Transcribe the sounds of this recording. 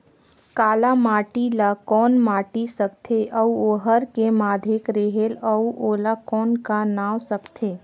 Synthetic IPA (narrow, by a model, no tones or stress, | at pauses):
kaːlamaːʈilakɔːnmaːʈisəkt̪ʰeʔəuoːɦəɾkemaːd̪ʱekɾeɦeləuʔoːlakɔːnkanaːwsəkt̪ʰeː